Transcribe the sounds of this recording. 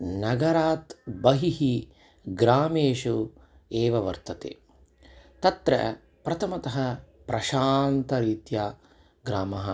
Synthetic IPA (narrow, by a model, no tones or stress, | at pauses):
nɐɡɐɾaːt̪bɐɦiɦi | ɡɾaːmeːʃu | eːʋɐʋɐ̰ɾt̪ɐt̪ḛː | t̪ɐt̪ɾɐ̰ | pɾɐt̪ʰɐmɐt̪ɐɦɐ | pɾʔɐʃaːnt̪ɐɾiːt̪jaː | ɡɾaːmɐɦɐ